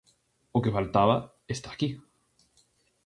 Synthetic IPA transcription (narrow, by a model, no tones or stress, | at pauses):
okefalt̪aβa | est̪aːki